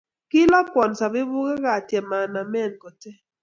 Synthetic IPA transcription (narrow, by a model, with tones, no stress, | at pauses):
kɪ˦lɔ˦kwɔ˨nsa˨bɪ˦bu˦ka˦ka˨tjɛ˨ma˨na˨mɛ˦˨nko˨tɛ˦